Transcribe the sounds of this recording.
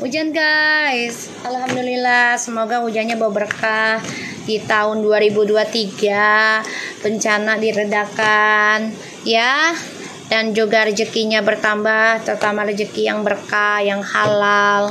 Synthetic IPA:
ud͡ʒanɡajs | alhamdulilahsəmoɡaud͡ʒanɲabawabərkah | dit̪aʊnduaɾibuduat̪iɡa | b̥əɲt͡ʃanadiɾədakan | ja | dand͡ʒuɡarəd͡ʒəkiɲabərt̪ambaht̪ərt̪amarəd͡ʒəkijaŋbərkajaŋhalal

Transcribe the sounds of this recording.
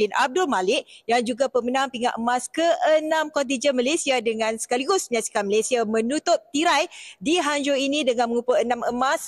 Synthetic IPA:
ɪnʔa̰b̚dʊlmalɪkjaŋd͡ʒuɡapəmənãŋpiŋa̰ʔəmãskəʔənãmkɔnt̪̬id͡ʒənmalesiadəŋãnsə̥kaliɡʊsməɲaksi̥kanməlesiamə̃nut̪ʊp̚t̪iɾajdiɦaɲd͡ʒoinidəŋanməŋupəənaməmas

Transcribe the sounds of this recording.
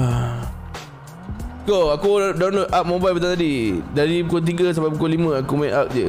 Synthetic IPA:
a | koakudawnlot̪̚ʔap̚mõbalpət̪at̪adidaɾipukot̪̬iɡəs̬abapukolimə̃akumaiʔap̚d͡ʒə

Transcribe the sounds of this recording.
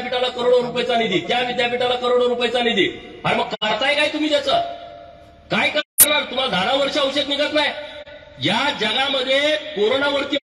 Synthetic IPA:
piʈalakəɾoɽ̃oɾupəjt͡sanid̪iːt̪jaʋid̪japiʈalakəɾoɽ̃oɾupəjt͡sanid̪iaɾməɡ̚kəɾt̪ajkajt̪um̤iːt̪jat͡sə | kajkəəɾnaɾt̪um̤ad̪ʱaɾaʋəɾɕaəwɕək̪ʋiɡət̪najjad͡zəɡaməd̪ʱːjekoɾonaʋəɾt̪i

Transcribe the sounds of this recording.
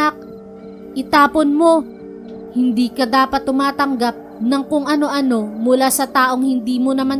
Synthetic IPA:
ak̚ | ʔɪt̪aːponmo̞ | hɪnd̪iːkɐd̪aːpɐt̪̚ːʊmaːt̪ɐŋɡap̚nɐŋkʊŋʔɐno̞ʔɐno̞mʊlaːsɐt̪aːʔo̞ŋhɪnd̪iːmo̞nɐman

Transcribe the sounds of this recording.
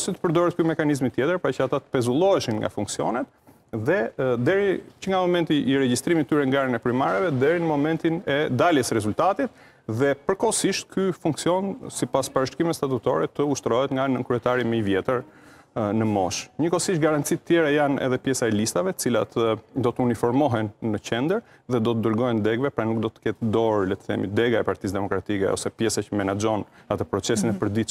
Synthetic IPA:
sit̪ə̥pəɾd̪ɔɾɛt̪̚kymɛkanizmit̪jɛt̪əɾpɾat͡ʃəat̪at̪ə̥pɛzulˠɔɛʃinŋɡa̰fuŋksiɔ̰nɛt̪ | ðɛd̪ɛɾit͡ʃəŋɡamɔmɛnt̪iʔːɾɛɟist̪ɾimit̪ːyɾɛŋɡaɾənɛpɾimaɾɛvɛd̪ɛɾinəmɔmɛnt̪inɛd̪aljɛsɾɛzult̪at̪it̪̚ | ðɛpəɾkɔsiʃt̪kʰyfuŋksiɔnsipaspaɾəʃkimɛt̪st̪at̪ut̪ɔ̰ɾɛt̪əuʃt̪ɾɔɦɛt̪ŋɡanəkɾyɛt̪aɾimɛivjɛt̪əɾ | nəmɔʃɲəkɔsiʃt̪̚ɡaɾant̪t͡sit̪ət̪jɛɾajanɛ̰ðɛpjɛsaɛlist̪avɛt̪ə̥t͡silat̪əd̪ɔt̪əunifɔɾmɔɦɛnːəcɛnd̪əɾ | ðɛd̪ɔt̪əd̪əɾɡɔjɛnd̪ɛɡvɛpɾanuk̚d̪ɔt̪ə̥kɛt̪d̪ɔɾlɛt̪θɛ̰mḭd̪ɛɡaɛpaɾt̪is̬d̪ɛmɔkɾat̪ikɛ̰ɔ̰sɛpjɛsacəmɛnad͡ʒɔnat̪əpɾɔt͡sɛsinɛpəɾd̪i

